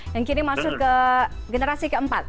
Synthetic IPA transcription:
jaŋkinimasʊkəɡənəɾasikəəmpat̪̚

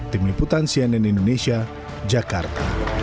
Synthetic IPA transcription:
t̪imiput̪ansianɛnindonesia | d͡ʒakart̪a̰

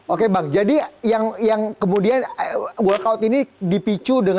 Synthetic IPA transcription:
okebaŋd͡ʒadijaŋjaŋkəmudianɡuakaʊt̪inidipit͡ʃudəŋ

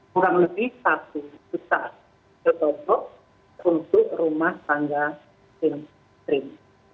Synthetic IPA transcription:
ukamədisat̪ud͡ʒ̥ut̪a | t͡ʃət̪ɔpɔʔ | unt̪ʊʔrumaht̪aŋɡa | sɪŋ | t̪ɾɪm

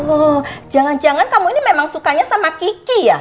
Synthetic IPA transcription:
od͡ʒaŋand͡ʒaŋankamuinimemaŋsukaɲasamakikija

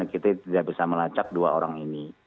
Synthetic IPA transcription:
kit̪at̪idaʔbisaməlat͡ʃak̚dua̰oɾaŋini

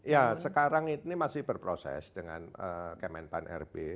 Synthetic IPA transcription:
jasəkaɾaŋinimasɪhb̥ərpɾosɛ̰sd̥əŋa̰nəkəmɛnpanʔɛ̰rb̥e

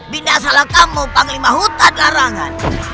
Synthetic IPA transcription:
binasalakamupaŋlimaɦut̪anlaɾaŋan

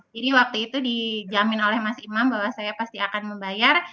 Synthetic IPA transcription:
iɾiwak̚t̪uit̪udid͡ʒamɪnolɛhmasimambaɦwasajapast̪iakanməmbajar

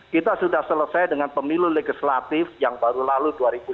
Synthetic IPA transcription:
kit̪asudahsələsajdəŋanpəmiluleɡislat̪ɪfjaŋbaɾulaluduaɾibu

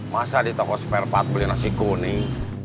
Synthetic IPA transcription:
masadit̪ɔkɔspɛrpat̪ulinɔsikuni

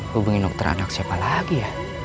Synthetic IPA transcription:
hubuŋindɔk̚t̪əɾa̰naksiapalaɡijah

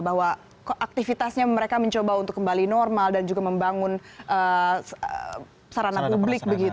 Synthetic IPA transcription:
baɦwa | ʔak̚t̪ifit̪asɲaməɾekaməɲt͡ʃobaunt̪ʊkːəmbalinɔrmaldand͡ʒuɡaməmbaŋʊnʔəə | saɾanapublɪk̚bəɡit̪

